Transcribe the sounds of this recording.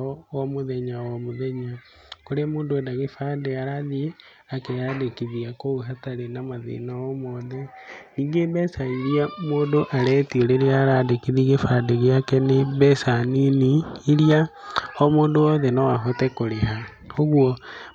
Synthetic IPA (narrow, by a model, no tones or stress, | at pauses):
wɔmoðɛɲawɔmoðɛɲa | koɾemoːndoendaɣefadeaɾaði | akeadekiðiakouɦataɾenamaðḛnaɔmɔðɛniːŋɡebɛsaiɾiamoːndoʔaɾɛːtiɔɾeɾeaɾadekiðiɣefandeɣeakɛneβɛsaniniiɾia | ɔmoːndoɔðɛnɔwaɦotɛkoɾeha | oɣwɔ